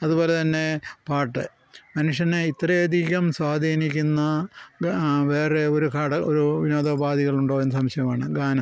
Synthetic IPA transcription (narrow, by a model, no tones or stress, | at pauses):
ɐðubo̞ːle̞t̪ɐnːe̞paːʈːɨ | mɐnuʂjɐneit̪rɐjɐd̪ʱiɣʲɐmswaːd̪ʱiːnikʲːunːɐ | ʋeːreo̞ɾukaːɽɐoɾuʋinoːd̪ɐbaːd̪iɣɐɭuɳɖoːenːɐsɐmɕɐjɐmaːɳɨɡaːnɐm